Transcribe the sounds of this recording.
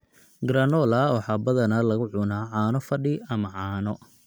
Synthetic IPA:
ɡɾɐnɔlɐwɑħɑbɐðɐnɐlɐɣʊʕʊnaːʕaːnɔfɐɖɪɐmɐʕɑːnɔ

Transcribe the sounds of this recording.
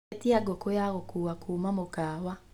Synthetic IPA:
tiaɡokojaɣokuːakuːmamokaːwa

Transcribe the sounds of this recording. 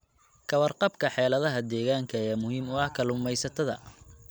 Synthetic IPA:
kʰɐwɐrqɑbkʰɐħɛːlɐðɐɦɐd̪ɛːɣaːŋkʰɐjɛːmʊɦiːmʊɐhkʰɐlʊmɛjsɐt̪ʰɐðɐ̰

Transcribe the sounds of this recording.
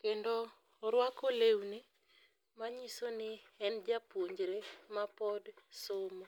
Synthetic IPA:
kendo | ɾwakolewnɪ | maɲisonɪɛnd͡ʒapwoɲd͡ʒɾemapɔdsomo

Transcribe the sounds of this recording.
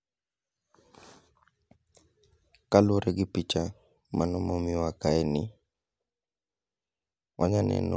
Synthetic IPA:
kaloɾɛɡɪpit͡ʃa | mʔanɔmomiwakaɛnɪ | wʔaɲanɛ̰nɔ̰

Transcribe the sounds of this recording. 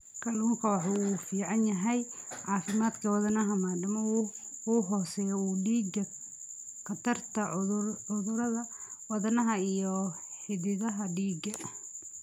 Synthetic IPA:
kʰɐlɐŋkʰɐwɑħɑuːfiːʕɑnjɐɦɛjʕɑːfɪmaːd̪kʰɐwɑðɐnɐɦɐmaːɖɪmɔuːɦɔːsɛːjɔuːɖiːɡɐ | kʰɐt̪ʰɐrt̪ʰɐʊðʊɾɐðɐwɑðɐnɐɦɐijɔ | ħɪðɪðɐɦɐɖiːɡɐ

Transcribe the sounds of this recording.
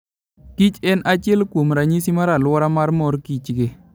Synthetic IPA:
kit͡ʃɛnʔat͡ʃɛlkwomɾaɲisimaɾalwɔɾamaɾmɔɾkit͡ʃɡe

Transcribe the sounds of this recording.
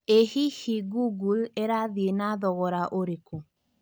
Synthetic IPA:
ehihiɡuɡulɛɾaðienaðɔɣɔɾaʔoɾiko

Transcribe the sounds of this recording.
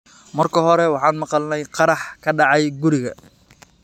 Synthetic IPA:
mɐrkʰɐɦɔɾɛwɑħɑːnmɑqɑlnɛjqɑɾɑħkʰɐɖɑʕɑjɡʊɾɪɣɐ̰

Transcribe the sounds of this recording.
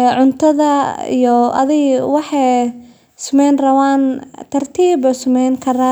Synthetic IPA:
ʕʊnt̪ʰɐðɐḭjɔʔɐ̰ðɪɣwɑħɑj | sʊmɛjnrɐwaːnt̪ʰɐrt̪ʰiːbʊsʊmɛjŋkʰɐɾaː

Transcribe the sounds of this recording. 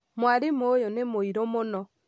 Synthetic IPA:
mwaɾɪmojonemoiɾomonɔ

